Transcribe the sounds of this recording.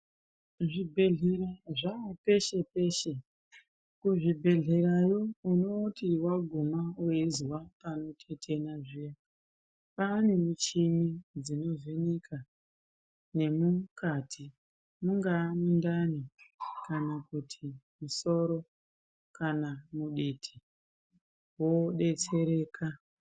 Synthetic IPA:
ʐibʱe̞ɮeɾaʐape̞ʃe̞pe̞ʃe̞ | kuʐibʱe̞ɮeɾajouno̞tʰiwaɡʱumauizwapano̞tʰe̞tʰe̞naʐija | panemut͡ʃimid͡zino̞zenikʰa | ne̞mukatʰi | muŋɡaːmundanikanakutʰimuso̞ɾo̞ | kanamuɗitʰi̥ | woɗe̞t͡se̞ɾe̞ːkʰa

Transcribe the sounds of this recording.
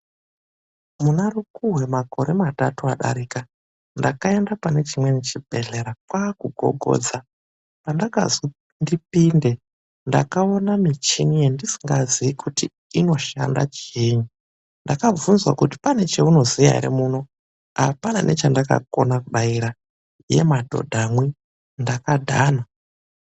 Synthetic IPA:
munarukuɦwe̞mako̞ɾe̞matatua̰ɗa̰ɾiːka | ndakae̞ndapane̞t͡ʃimwe̞net͡ʃibʱe̞ɮe̞ɾakwakuɡʱo̞̰ɡʱo̞̰ːd͡za | pandaka̰zi | ndipinde̞ | ndakao̞namit͡ʃinijendisi̥ŋɡaziikʰuti | ino̞ʃa̰nda̰t͡ʃeɲu | ndakavunzwakuti̥pane̞t͡ʃeuno̞zija̰ḭɾḛmuno̞ | apana̰nʔḛt͡ʃandaka̰ko̞nakuɗaiɾa | jḛmadʱo̞̰dʱamwi | ndakadʱaːna

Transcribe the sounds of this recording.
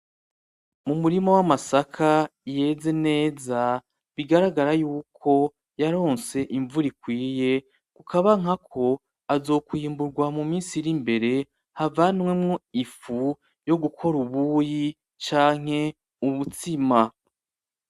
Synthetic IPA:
mumuɾimowamasakʰaje̞ze̞ne̞ːza | βiɡaɾaɡaɾajuːkʰo̞ | jaɾo̞ːnse̞ʔiɱvuɾikwiːje̞ | kukʰaβaŋ̥akʰo̞ | azo̞ːkwiːmbuɾɡwamumiːnsiɾimbe̞ɾe̞ | havanŋwemŋoifu | jo̞ɡukʰo̞ɾuβuːji | t͡ʃaːŋ̥e̞ | uβut͡sima

